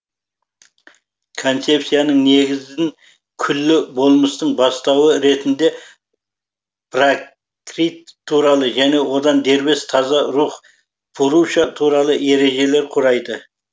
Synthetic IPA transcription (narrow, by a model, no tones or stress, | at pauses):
kʰo̞nt̪se̞psijanəɴne̞ɡʲɪzɪŋ | kʲʰʏlːɪbo̞lˠməst̪əɴbɑst̪ɑwəɾe̞t̪ɪnd̪e̞ | b̥ra | kɾit̪ʰːuɾɑlˠəʒæne̞wo̞d̪ɑnd̪e̞ɾbe̞st̪ʰɑzɑɾuq | bʰʊɾuʃɑt̪ʰuɾɑlˠəe̞ɾe̞ʒe̞le̞ɾqʰʊɾɑjd̪ə